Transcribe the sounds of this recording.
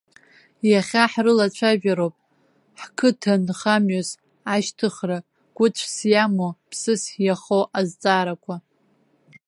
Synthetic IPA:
jaχʲaħrɨlat͡ɕʷʰaʒᶣaɾopʼ | ħkʰɨtʰanχamɥas | aʃtʰɨχra | ɡ̥ʷʊt͡ʃʷʰsjamopʰsɨsjaχowʔazt͡sʼaːɾakʷʰa

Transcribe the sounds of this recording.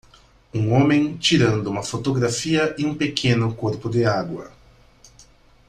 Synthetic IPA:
ũŋõmẽj̃t͡ʃiɾɐ̃nd̪ʊũmɐfot̪oɡɾafiɐʔɪũpekʰẽnʊkoɾpʊd̪ɪaɡwɐ̰

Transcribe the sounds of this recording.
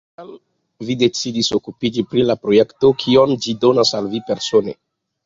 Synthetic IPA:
am | vide̞t͡sidiso̞kupid͡ʒipɾilapɾo̞je̞kto̞kʰio̞md͡ʒido̞nasalvipe̞ɾso̞nḛ

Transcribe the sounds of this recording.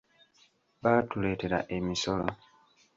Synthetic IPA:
βaːtule̞ːte̞ɾa̰ʔe̞miso̞lo̰

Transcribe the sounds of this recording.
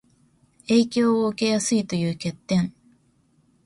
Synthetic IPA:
e̞ːkʲo̞ːoɯ̟ke̞jasɨit̪o̞jɯ̟ːke̞t̪ːẽ̞ɴ

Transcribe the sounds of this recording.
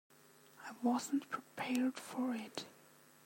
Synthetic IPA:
aɪwɔz̃ntpʰɹ̥ipʰɛɹd̥fɔɹɪt

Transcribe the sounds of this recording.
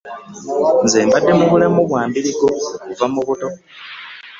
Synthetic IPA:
nzeːmbadːe̞muβulamuβwaːmbiliɡo̞kuvamuβuto̞

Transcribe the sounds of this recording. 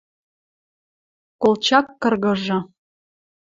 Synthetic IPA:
kolt͡ɕɑkːɤ̆rɣɤ̆ʒɤ̆

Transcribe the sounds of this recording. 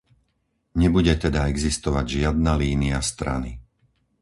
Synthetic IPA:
ɲɛbuɟɛt̪ɛd̪aɛɡzist̪ɔʋaɟʒɪad̪̚naliːniast̪ɾa̰ni

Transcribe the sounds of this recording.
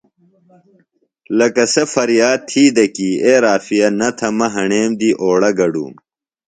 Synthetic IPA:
lɐkɐsɐfɐɾjaːd̪̚t̪ʰiːd̪ɐkiːeːɾaːfijɐnɐt̪ʰɐmɐɦɐɳeːmd̪iːʔoːɽɐɡɐɖṵːm

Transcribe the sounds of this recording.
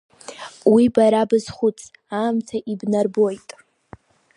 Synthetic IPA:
wibaɾabɨz̥χʷʊt͡sʰʼ | aːmtʰaʔibnarbo̞jtʼ

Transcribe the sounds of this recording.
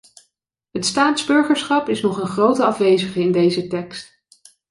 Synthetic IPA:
ɦətstaːtzbɵɹχəɹsχɑpɪsnɔχənχrowtəɑfʋejzəχəɪndejzətɛkst

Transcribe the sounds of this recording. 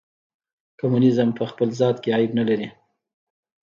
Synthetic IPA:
kamunɪzəmpəxpəlzɑt̪keɑjɪbnalaɾi

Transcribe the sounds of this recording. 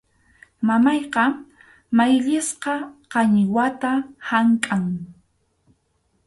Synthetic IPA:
mamɑjqɑ | majʎɪsqɑqɑɲɪwat̪ahaŋkʼaŋ

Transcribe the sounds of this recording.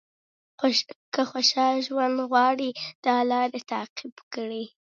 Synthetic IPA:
kəxoʃɑlʒwand̪ɣwɑɽid̪̥ɑlɑɾət̪ɑqɪbkəɽi

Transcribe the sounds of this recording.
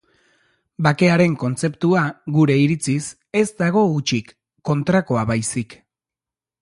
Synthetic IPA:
bake̞aɾe̞ŋko̞nt͡se̞pt̪uaɣuɾe̞iɾit͡sis | e̞zd̪aɣ̞o̞ut͡ʃikː | o̞nt̪ɾako̞aβajsik

